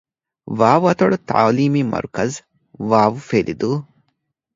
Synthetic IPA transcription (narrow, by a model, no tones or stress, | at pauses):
ʋaːʋuɐt̪ɐɭut̪a̰ːliːmiːmɐ̰ɾkɐz | ʋaːʋufelid̪uː